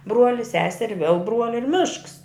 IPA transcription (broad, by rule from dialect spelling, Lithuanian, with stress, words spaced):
ˈbruɔlʲɪ ˈsʲæːsʲɛrʲɪ ʋʲiɛlˠ ˈbruɔlʲɪ ɪr ˈmʲɪʃks